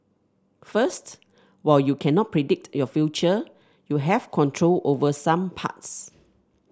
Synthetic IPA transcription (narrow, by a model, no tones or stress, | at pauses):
fəst | waɪljukʰɛ̃nɔt̚pʰɹidɪk̚tjɔfjut͡ʃə | juɦɛvkʰɔ̃ntʰɹolʔovəsãmpʰa̰ts